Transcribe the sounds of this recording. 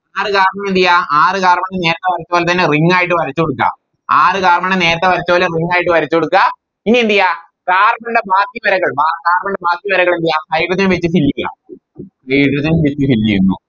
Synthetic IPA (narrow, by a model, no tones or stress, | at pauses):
aːrɨkaːrmɐɳind̪ijaaːrɨkaːrmɐɳːene̞ːɾɐt̪ːeʋɐɾɐt͡ɕːɐpoːlet̪ɐnːeriŋːaːjiʈːɨʋɐɾɐt͡ɕːoɽukːa̰ | aːrɨkaːrmɐɳɖene̞ːɾɐt̪ːeʋɐɾɐt͡ɕːɐpoːleriŋːaːjiʈːɨʋɐɾit͡ɕːoɽukːa | inːiind̪ija | kaːrmɐɳɖebaːkːiʋɐɾɐɣɐɭbaːkaːrmɐɳɖebaːkːjiʋɐɾɐɣɐɭind̪ijasɐjʈːɐt̪ːinmʋet͡ɕːɨfilːija̰ | hɐjʈːɐt̪ːinmʋet͡ɕːɨfilːijunːṵ